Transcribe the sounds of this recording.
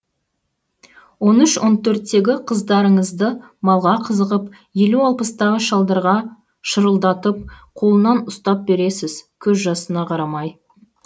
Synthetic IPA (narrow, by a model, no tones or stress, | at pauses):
wo̞nʏʃwʔo̞nt̪ʰɵɾt̪ːe̞ɡʲɪqʰəzd̪ɑɾəɴəzd̪ə | mɑlˠʁɑqʰəzəʁəp | je̞luɑlˠpəst̪ɑʁəʃɑlˠd̪ɑɾʁɑ | ʃəɾəlˠd̪ɑt̪əp̚qʰo̞lˠənɑnʊst̪ɑp̚be̞ɾe̞sɪzkʲʰɵzʒɑsənɑqʰɑɾɑmɑj